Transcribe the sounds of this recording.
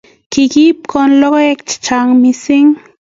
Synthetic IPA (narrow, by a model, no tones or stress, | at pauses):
kikip̚kʰonlokekt͡ʃt͡ʃaŋmisiŋ